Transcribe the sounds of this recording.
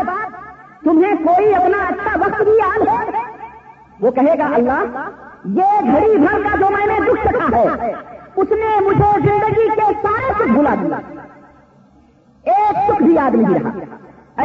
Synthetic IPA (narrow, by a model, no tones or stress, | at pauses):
t̪ʊmẽkoːiɐpnaɐtːʃʰaʋɐkt̪bijan | ʋoːkɐɦeːɡaʔɐlːaːɦjeɡʱɐɽibʱɐɾkad͡ʒoːmɛ̃ːnẽd̪ʊkʰsɐkʰaɦɛː | ʊsnemʊd͡ʒʱezɪ̃nd̪əɡikesaːɾesʊkʰbʱuːlad̪ija̰ | eːksʊkʰbʱiaːd̪miɦiɾɐɦa̰